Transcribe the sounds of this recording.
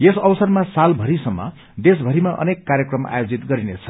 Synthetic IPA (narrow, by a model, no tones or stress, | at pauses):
jesʌwsʌrmasalbʱʌɾisʌmːʌ̰ | d̪es̬bʱʌɾimaʔʌ̰nekːarjʌkrʌma̰jod͡zit̪ɡʌɾinet͡sʰʌ̥